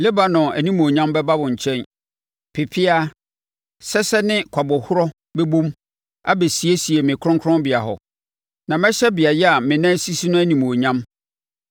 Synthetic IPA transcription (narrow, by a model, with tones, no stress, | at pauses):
lɪ˦ba˨nʊ̃˨æ˨nĩ˦m˨o˨ɲã˦mbɛ˦ba˦bʊ̃˨ɲ̩˨t͡ɕʰɛ̃˦n | pʰɪ˨pʰɪ˦a˦ | sɛ˦sɛ˦nɪ̃˦kʷʰa˨bɔ˨hʊ˦ɾɔ˦ | be˦bõ˦m | a˦be˨si˨e˦si˨e˨mɪ̃˨kʰʊ˦ɾʊ̃˦kʰɾɔ̃˦bɪ˨a˨ɦɔ̰˨ | nã˨mɛ̃˦ɕɛ˦bɪ˨a˨jɛ˦a˨mɪ̃˨nã˦si˦si˦nʊ̃˦æ˦nĩ˨m˨o˨ɲã˦m